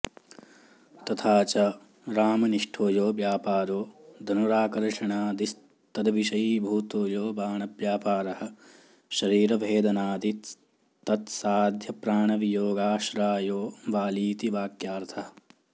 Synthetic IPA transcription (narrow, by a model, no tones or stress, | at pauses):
t̪ɐt̪ʰaːt͡ʃɐ | ɾaːmɐniʂʈʰoːjoːʋjaːpaːɾoːd̪ʱɐnuɾaːkɐɾʂɐɳaːd̪is | t̪ɐd̪ɐʋiʃɐjibʱuːt̪oːjoːbaːɳɐpjaːpaːɾɐɦɐ̆ | ʃɐɾiːɾɐʋʱeːd̪ɐnaːd̪it̪ | t̪ɐt̪saːd̪ʱjɐpɾaːɳɐʋijoːɡaːʃɾaːjoːʋaːliːt̪iʋaːkjaːɾt̪ʰɐɦɐ